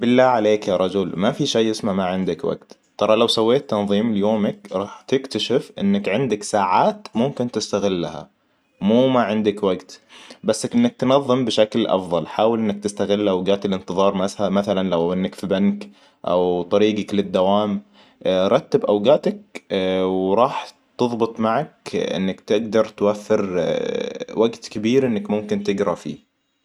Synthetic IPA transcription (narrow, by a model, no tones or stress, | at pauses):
bɪlːaːʕaleːkjaɾˤɑd͡ʒʊlmafiʃajːɪsmamaʕɪnd̪akwa̰ɡt̪ | t̪ˤɑɾˤɑlawsawːeːt̪ːɑnðˤiːmlɪjoːmɪkɾˤɑːħt̪ɪkt̪aʃɪfʔɪ̰nːakʕɪnd̪aksaːʕaːt̪mʊmkɪnt̪ɪst̪aɣɪlːaha̰ | muːmaʕɪnd̪akwaɡt̪basːʔɪnːak̚t̪nɑðˤːɨmbɪʃaklʔɑ̰fðˤɑlħaːwɪlʔɪnːɪk̚t̪ɪst̪aɣɪlːʔawɡaːt̪ɪlʔɪnt̪ɨðˤɑːɾˤmaamaθalanlawʔɪnːakfibank | ʔa̰wt̪ˤɑɾiːɡaklɪd̪ːawaːm | ɾˤɑt̪ːabʔawɡaːt̪ak̚ | wɾˤɑːħ | t̪ɨðˤbɨt̪ˤmaʕak̚ʔɪ̰nːakt̪ɪɡd̪ɑɾˤt̪wafːɪɾ | waɡt̪kɪbiːɾʔɪnːakmʊmkɪnt̪ɪɡɾˤɑfḭː